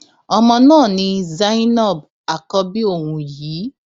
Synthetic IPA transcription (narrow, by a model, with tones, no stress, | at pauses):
ɔ˧mɔ̃˧nãː˦˨nĩ˧za˦i˦nɔ˦˨b̚ | a˨kɔ˧bi˦o˦˨wũ˧jiː˨˦